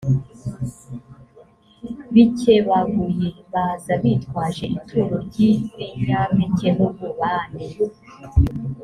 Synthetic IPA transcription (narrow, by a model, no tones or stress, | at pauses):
βiceβaɡujeβaːzaβitkwaːʒe̞ʔitʰuɾoɾɟiiʒamecenuβuβaːneβu